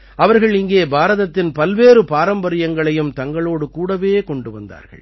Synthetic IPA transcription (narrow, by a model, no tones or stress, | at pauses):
ɐʋɐɾɣɐɭɪŋɡeːbaːɾɐðɐt̪ːɪnpɐlʋeːɾɯpaːɾɐmbɐɾɪjɐŋɡɐɭɐjɯmt̪ɐŋɡɐɭoːɽɯkuːɽɐʋeːkɔɳɖɯʋɐ̰nd̪a̰ːɾɣɐ̰ɭ